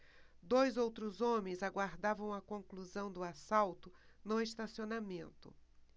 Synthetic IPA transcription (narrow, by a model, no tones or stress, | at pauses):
d̪ojzowt̪ɾʊzõmẽj̃zaɡwaɾd̪avɐ̃w̃ɐkõŋkluzɐ̃w̃d̪ʊasawt̪ʊnʊest̪asionamẽnt̪ʊ̰